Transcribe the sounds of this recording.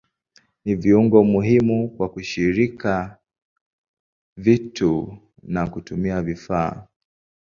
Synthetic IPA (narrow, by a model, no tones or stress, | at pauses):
niviuŋɡɔmuɦimukwakuʃiɾika | vitu | nakutumiavifaː